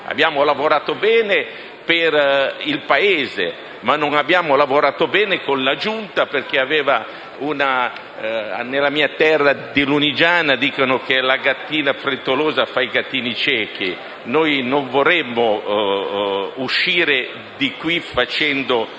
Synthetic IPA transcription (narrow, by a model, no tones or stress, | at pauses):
a̰bjaːmolavoɾaːt̪obɛːne | perilpaeːzḛ | manːoŋabːjaːmolavoɾaːt̪obɛːnekonlad͡ʒunt̪aperk̟eavɛːva | una | nelːamiːat̪ɛrːad̪ilunid͡ʒaːnad̪iːkonokelaɡat̪ːiːnafɾet̪ːoloːzafaiɡat̪ːiːnit͡ʃɛːk̟i | nojnoɱvorɛmːo | uʃːiːɾe | d̪ikwifat͡ʃɛnd̪o